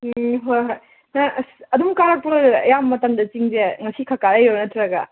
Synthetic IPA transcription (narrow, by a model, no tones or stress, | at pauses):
ɦojɦoj | nɐɐdumkaɾɐk̚poɐ̰jamːɐtɐmdɐt͡ʃiŋzeŋɐsikʰakaɾɐjoɾnɐtʰɾɐɡɐ